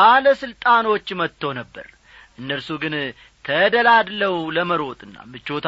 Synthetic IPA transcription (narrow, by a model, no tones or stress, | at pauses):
aləsɨlt̪ʼano̞t͡ʃːmət̪ʰːəwnəbːə̰ɾ | ʔɨnːəlsuɡɨn | t̪ʰəd̪əlad̪ləwləməɾo̞t̪ʼɨnːa̰mɨt͡ʃːo̞t̪ʰ